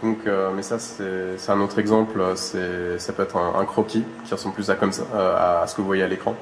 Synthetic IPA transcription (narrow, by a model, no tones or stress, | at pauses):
d̪̥ɔ̃kømɛsasɛsɛt̪ɛ̃not̪χɛɡzɑ̃pløsɛsapøɛt̪χɛ̃ʔɛ̰̃kχɔkʲikʲiʁəsɑ̃bplysakɔmsaøa̰ːsə̥kəvuvwajealekχɑ̃